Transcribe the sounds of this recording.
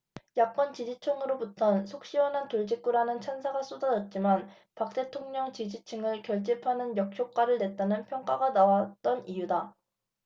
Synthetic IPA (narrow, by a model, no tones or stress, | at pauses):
jak̚k͈ʌnt͡ɕid͡ʑit͡ɕʰɯŋɯɾobutʰʌnsʰok̚ɕ͈iwʌnɦantoɭd͡ʑik͈uɾanɯnt͡ɕʰansʰaɡas͈odadʌt̚t͡ɕ͈iman | pak̚t͈e̞tʰoŋɲʌŋt͡ɕid͡ʑit͡ɕʰɯŋɯɭkjʌɭt͡ɕ͈ipʰanɯnjʌk̚ɕ͈ʰjok͈aɾɯɭne̞t̚t͈anɯnpʰjʌŋk͈aɡanawat̚t͈ʌnijuda